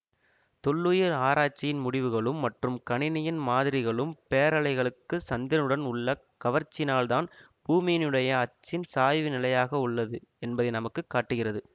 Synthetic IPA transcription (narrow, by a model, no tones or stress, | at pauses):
t̪ɔɭːuːjɐɾaːɾaːt͡ʃːɪjɪnmʊɽɪʋɯɣɐɭɯmːɐʈrɯmkɐɳɪnɐjɪnmaːðɪɾɪɣɐɭɯmpeːɐɾɐɭɐɪɣɐɭɯkːɯsɐnd̪ɪnɯɽɐnʊɭːɐ | kɐʋɐɾt͡ʃːɪnaːlðaːn | b̥uːmɪjɪnɯɽɐjɐːt͡ʃːɪnsaːjʋɯnɪlɐjaːɣɐʊɭːɐðɯɛnbɐðɐɪnɐmɐkːɯkːaːʈːɯɣɪrɐðɯ